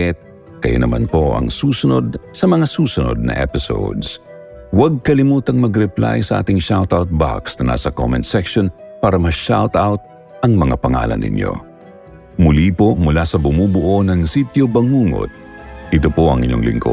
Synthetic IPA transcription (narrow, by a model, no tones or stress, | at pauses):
ɛt̪̚ | kɐjo̰nɐmanpo̞ʔɐ̰ŋsuːsʊno̞d̪̚sɐmɐŋasuːsʊnod̪̚nɐ̰ʔɛ̰pɪso̰wd̪s | wɐɡ̚kɐlɪmuːt̪ɐŋmɐɡɾɛpla̰jsɐʔa̰ːt̪ɪŋʃawt̪awt̪̚ba̰ksnɐna̰ːsɐko̰mɛnsɛkʃonpaːɾɐmɐʃawt̪awt̪̚ | ʔɐŋmɐŋapɐŋa̰ːlɐ̰nʔɪ̰ɲjo̞̰ | mʊlipo̞mʊlasɐbʊmuːbʊʔo̞nɐŋsit̪jobɐŋuːŋo̰t̪̚ | ʔɪt̪opoʔɐŋʔɪɲo̞̰ŋlɪ̰ŋko̰